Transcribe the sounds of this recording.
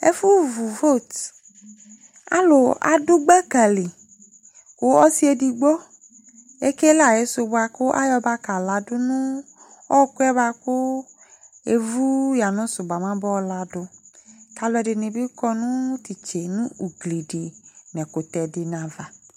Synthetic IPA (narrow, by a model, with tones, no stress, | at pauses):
ḛ˦fu˦vu˨vo˦˨t | a̰˦lʊ˨a̰˨dʊ˦ɡ͡bɛ˦ka˨li˨ | wo˨ɔ˦si˦e˦di˨ɡ͡bɔ˦ | e˦ke˦la˨je˨˦sʊ˨bʊ˦a˨kʊ˦ʔa̰˦jɔ˦ba˦ka˨la˨dʊ˦nũ˦ | ɔ˦kʊ˦ɛ˦ba˦kʊ˦ | e˨vu˦ja˨nʊ̃˦sʊ˨ba˨mã˦bɔ˦la˨dʊ˨ta˨lɛ˨dɪ˨nẽ˨bi˦kɔ˦nũ˦t̪i˨t͡ʃe˨nũ˦u˨ɡli˨ɖi˨n˨ɛ̃˨ko˨t̪ɛ˨dɪ˨nã˨va˨